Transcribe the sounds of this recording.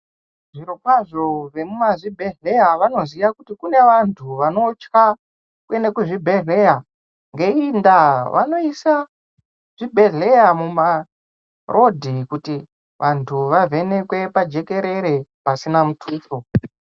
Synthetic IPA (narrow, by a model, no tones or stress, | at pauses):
ʐiɾokwaʐo̞ʐe̞mumaʐibʱe̞ɮe̞jaʋano̞zijakutikune̞ʋantʰuʋano̞t͡ʃka | kue̞ne̞kuʐibʱe̞ɮe̞ja | ŋɡe̞indaʋa̰no̞isa | ʐ̥ibʱe̞ɮe̞jamuma | rʔo̞dʱikuti | ʋʔantʰuʋave̞ne̞kwe̞pad͡ʒe̞ke̞ɾe̞ɾe̞pasinamutʰuːto